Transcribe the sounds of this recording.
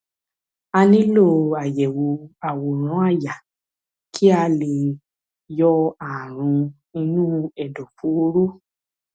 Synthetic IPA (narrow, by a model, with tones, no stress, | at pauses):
a˧nĩ˦lo˦˨a˨jɛ˨wo˧a˨wo˨ɾ̃ã˨˦a˦˨ja˨ | kʰi˦a˧le˨ | jɔ˦a˨ɾ̃ũ˧ | i˧nũ˦ɛ˦˨dɔ˨fu˨˦o˦ɾo˦